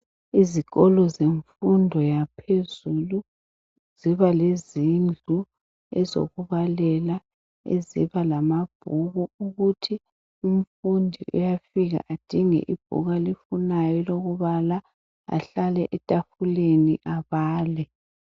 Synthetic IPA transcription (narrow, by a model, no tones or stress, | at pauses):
iziɣɔlɔzeɱfundʱɔjapʰezulu | z̥iβalezind͡ɮʱu | ɛ̰zo̰ɣuβalɛla | ḛzḭβalamab̥ʱuɣuuɣutʰi | um̩fundʱḭʔṵjafiɣa̰ʔad̥ʱiŋɛ̰ʔib̥ʱṵɣalifunajɔloɣuβala | a̰ɬalɛʔɛtʼafuleniʔaβaːlɛ